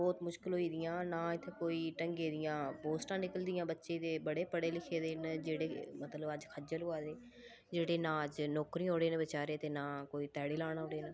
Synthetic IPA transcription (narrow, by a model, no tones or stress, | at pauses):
bɔːt̪mʊʃkɪlɦoːiːd̪ɪjãːnãːɪt̪ʰːeːkoːiːʈəŋɡeːd̪ɪjãːpoːsʈãːnɪkəld̪ɪjãːbətːʃeːd̪eːbəɽeːpəɽeːlɪkʰeːd̪eːnd͡ʒeːɽeːmət̪ləbəd͡ʒkʰəd͡ʒəloaːd̪eː | d͡ʒeːɽeːnãːəd͡ʒnɔːkɾĩːoːɽeːnẽbət͡ʃaːɾeːt̪eːnaːkoːiːt̪ɛːɽiːlaːɽaːɦoːɽeːna